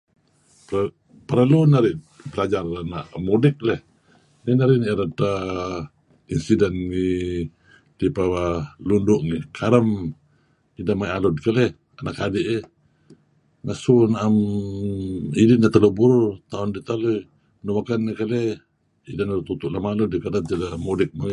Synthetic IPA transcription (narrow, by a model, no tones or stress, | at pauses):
p | pəɾalunaɾɪ | bəlad͡ʒaranaʔmudɪk̚lɛh | ninaɾɪniʔɾat̪a | insidɛnŋi | dipawalundʊʔŋikʰaɾəm | idamajʔalʊd̚kalɛh | anakadɪʔe | ŋasunaʔam | idɪnat̪alubuɾut̪aʊndit̪alui | numakanːikalɛ | idanaɾt̪ut̪uʔlamalʊdikadantalamodɪk̚ma